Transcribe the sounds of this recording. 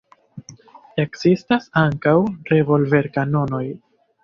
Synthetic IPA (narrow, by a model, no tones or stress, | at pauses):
e̞kzistasaŋkawɾe̞vo̞lve̞ɾkano̞no̞j